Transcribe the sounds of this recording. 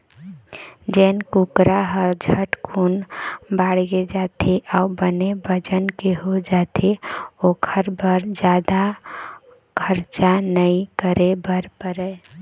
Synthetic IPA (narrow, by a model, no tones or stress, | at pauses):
d͡ʒɛnkukɾaɦəɾd͡ʒʱəʈkʰunbaɽɡed͡ʒat̪ʰeʔaubənebəd͡ʒənkeɦod͡ʒat̪ʰeokʰəɾbəɾd͡ʒad̪a | kʰəɾt͡ʃanəikəɾebəɾpəɾɛ